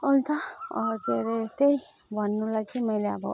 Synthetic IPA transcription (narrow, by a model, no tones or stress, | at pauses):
ʌnt̪ʰakeɾet̪ej | bʱʌnːulajt͡sʰʌmʌjleʌbʌ̰